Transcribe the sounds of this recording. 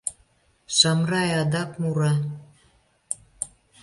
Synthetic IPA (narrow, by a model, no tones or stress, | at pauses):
ʃɑmrɑjɑd̪ɑkmuɾɑ